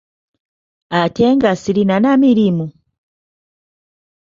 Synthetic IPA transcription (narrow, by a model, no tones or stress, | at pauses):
ateŋɡasiɾinanamiɾimu